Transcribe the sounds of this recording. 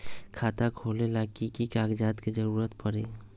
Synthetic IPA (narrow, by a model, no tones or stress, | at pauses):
kʰaːt̪akʰoːlelaːkikikaːɡd͡ʒaːt̪kid͡ʒəɾuːɾət̪pəɾeː